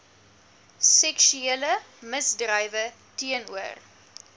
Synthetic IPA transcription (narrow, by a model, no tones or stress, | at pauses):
sɛkʃyelə | məsdrɐjvə | tiənuə̰r